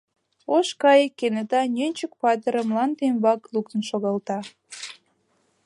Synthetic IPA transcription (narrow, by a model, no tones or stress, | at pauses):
oʃkɑjəkːenet̪ɑnʲønʲt͡ɕək̚pɑt̪əɾəmlɑnt̪embɑklukt̪ənʃoɣɑlt̪ɑ